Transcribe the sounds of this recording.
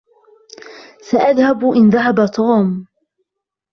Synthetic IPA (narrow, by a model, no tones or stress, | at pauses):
saʔaðhabʔɪnðaɦabat̪ˤʰɑːm